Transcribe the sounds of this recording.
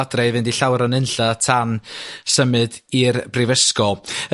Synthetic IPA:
adrɛjvɨndiɬawɾanɨnɬatʰansəmɨdirbrɪvəskɔ

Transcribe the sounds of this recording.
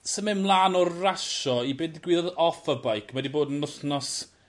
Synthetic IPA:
səmɪmlˠaːnɔrraʃɔibeːndɪɡwɪːðɔðɔfəbajkʰmɛdiboːdənʊɬnɔs

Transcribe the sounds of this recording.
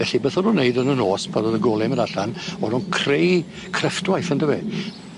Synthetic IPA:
ɛɬibeθɔnunːeɨdənənoːspʰadɔðəɡɔlˠɛməɾaɬanɔnunkʰrej | kʰrəftwajθəndəwɛ̰

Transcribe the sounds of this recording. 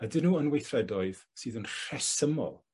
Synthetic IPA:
ədɪnuːənwejθrɛdɔɨð̥sɨːðənr̥ɛsəmɔ̰lˠ

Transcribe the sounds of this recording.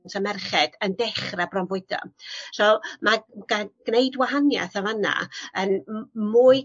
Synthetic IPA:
nsamɛrχɛdəndɛχrabrɔnvʊɨd̥ɔ̰sɔmaɡ̥aɡ̥neɨdwaɦanja̰θavana̰ənmuːɨ

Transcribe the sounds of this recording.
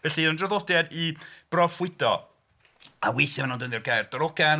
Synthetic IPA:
vɛɬinɔndraðɔdjadib̥rɔfwɪdɔ̰ | awejθamanundənðjɔrɡajrd̥ɔɾɔɡan

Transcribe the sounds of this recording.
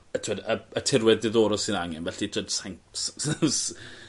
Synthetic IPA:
ətʰɪwɛdəətʰɪrwɛðdɪðoːɾɔsɨnaŋɛnvɛɬidədsaŋss

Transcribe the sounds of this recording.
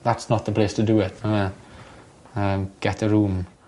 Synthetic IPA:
ðatsnət̪̚ðəpʰl̥estʰədəɪtmaɛ | əmɡ̥ɛtəɹuːm

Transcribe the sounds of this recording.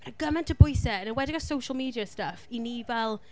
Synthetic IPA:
mənəɡəmɛntʰəbʊjsɛənənwɛdəɡasowʃəlˠmiːdiəstəfiniːvɛlˠ

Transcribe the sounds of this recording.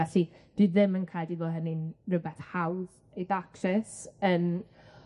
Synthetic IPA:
ɛɬid̥iːðɪmənkʰaːdiðoːɦənɪnrəbɛθhawð | ejðaksɛsən

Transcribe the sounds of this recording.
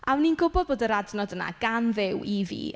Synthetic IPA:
amninɡʊbɔd̚boːdəɾadnɔdəna̰ɡ̥anðɪwivḭː

